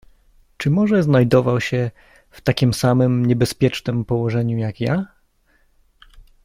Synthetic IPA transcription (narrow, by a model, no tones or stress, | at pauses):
t͡ʂɘmɔʐɛznajd̪ɔvawɕɛ | ft̪akʲimsamɘmɲɛbɛspʲjɛt͡ʂnɘmpɔwɔʐɛɲujakja